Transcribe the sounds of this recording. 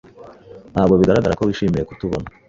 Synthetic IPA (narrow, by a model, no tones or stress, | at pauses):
naːbɡo̞βiɡaɾaɡaɾakoβiʃiːmije̞kutuβo̰na